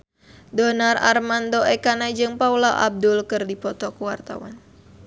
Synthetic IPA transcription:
dɔnara̰rmandɔɛkanad͡ʒɨŋpaulaʔa̰b̚dʊlkɨrdipɔt̪ɔkuwart̪a̰wa̰n

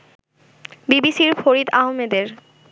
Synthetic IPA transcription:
bibisiɾfoɾid̪aɦomed̪eɾ

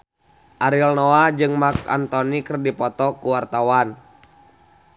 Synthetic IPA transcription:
ʔaɾilnɔad͡ʒɨŋmaka̰nt̪ɔnikɨrdipɔt̪ɔkuwart̪awan

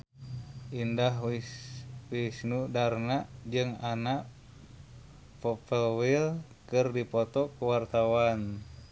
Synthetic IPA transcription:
ʔindaɦi | wisnudarnaʔd͡ʒɨŋanaʔ | pɔpəlwil | kɨrdipɔt̪ɔkuwart̪awan

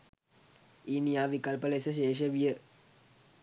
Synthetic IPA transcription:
iːnijaːʋikɐlpəlesəɕ̬eːʂ̬əʋijə

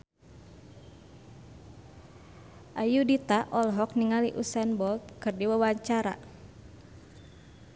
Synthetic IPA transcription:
ʔajudit̪aʔɔlɦɔk̚niŋaliʔusɛnbɔkɨrdiwawaɲt͡ʃaɾa̰

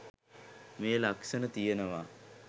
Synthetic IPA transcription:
meːlaksənət̪ijenəʋa

